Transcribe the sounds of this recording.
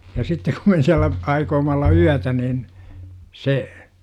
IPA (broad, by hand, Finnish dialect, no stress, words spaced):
jɑ sitːek kum me siælːæ ɑikoːmɑ olːɑ yætæ niːn se